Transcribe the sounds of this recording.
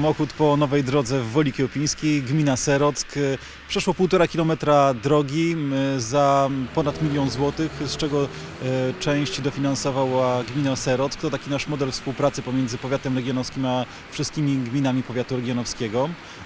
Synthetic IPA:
mɔxut̪pɔnɔvɛjd̪ɾɔd̪zɛvːɔlʲikʲɛwpʲij̃skʲejɡmʲinasɛɾɔt̪sk | pʂɛʂwɔpuwt̪ɔɾakʲilɔmɛt̪ɾad̪ɾɔɡʲizapɔnat̪mʲilʲjɔnzwɔt̪ɘxst͡ʂɛɡɔ | t͡ʂɛ̃w̃ɕt͡ɕid̪ɔfʲinansɔvawaɡmʲinasɛɾɔt̪skt̪ɔt̪akʲinaʂmɔd̪ɛlfspuwpɾat̪sɘpɔmʲjɛnd̪zɘpɔvʲjat̪ɛmɾɛɡʲjɔnɔfskʲima | fʂɘst̪kʲimʲiɡmʲinamʲipɔvʲat̪uɾɛɡʲjɔnɔfskʲɛɡɔ

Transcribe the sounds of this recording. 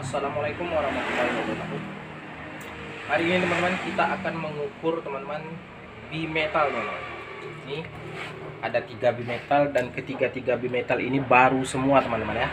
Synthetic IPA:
asalamalajkʊmwaɾɑhmat̪ulːahiwadamakum | haɾiːnit̪əmant̪əmankit̪aakanməŋukʊrt̪əmant̪əman | bimet̪alt̪mana̰n | ini | adat̪iɡabimet̪aldankət̪iɡat̪iɡabimet̪alḭnibaɾusəmuat̪əmant̪əmanja

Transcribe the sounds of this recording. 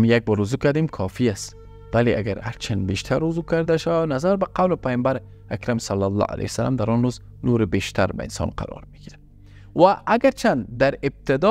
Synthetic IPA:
mjaɡ̚bɔɾːuzukaɾd̪emkʰɒfiast̪ | waleʔa̰ɡaɾha̰ɾt͡ʃʰanbeʃt̪ʰaɾːʊzukaɾd̪aʃawanazaɾbaqawlɪpajɔmbaɾ | akɾamsalːalːɑ̰a̰la̰jsala̰md̪aɾɔnɾoz | noɾɪbeʃt̪ʰaɾba̰ɪ̰nsɔ̰ːnqa̰ɾɔ̰ɾmiɡ̥iɾa | waʔːɡaɾt͡ʃʰand̪aɾɪb̚t̪ɪd̪ɔ

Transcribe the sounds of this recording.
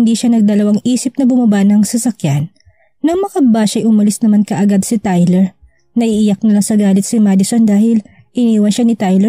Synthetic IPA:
ɪnd̪iːʃanɐɡ̚d̪ɐlɐwaŋʔiːsɪp̚nɐbʊmɐbanɐŋsɐsɐkjanː | ɐŋmɐkɐbaːʃɐjʔʊmɐlɪsnɐmankɐʔɐɡad̪sɪt̪ajlɛɹ | nɐʔiːjɐk̚nɐlaŋsɐɡaːlɪt̪̚sɪmaːd̪ɪsond̪aːhɪl | ʔɪniːwɐnʃanɪt̪ajlɛ

